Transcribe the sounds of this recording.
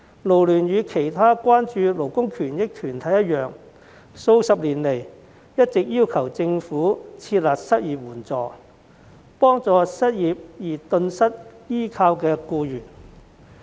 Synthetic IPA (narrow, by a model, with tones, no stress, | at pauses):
lo˨˩wlyː˨˩njyː˨˧kʰe˨˩jt̪ʰaː˥kʷaː˥nt͡ʃyː˧lo˨˩wkʊ˥ŋkʰyː˨˩njɪ˥k̚t̪ʰyː˨˩nt̪ʰɐ˨˥jɐ˥t̚jœː˨ŋ | so˧wsɐ˨p̚liː˨˩nle˨˩j | jɐ˥t̚t͡sɪ˨k̚jiː˥wkʰɐ˨˩wt͡sɪ˧ŋfuː˨˥t͡sʰiː˧t̚laː˨k̚sɐ˥t̚jiː˨p̚wuː˨˩nt͡sɔː˨˩ | pɔː˥ŋt͡sɔː˧sɐ˥t̚jiː˨p̚jiː˨˩t̪ɵ˧nsɐ˥t̚jiː˥kʰaː˧wkɛː˧kuː˧jyː˨˩n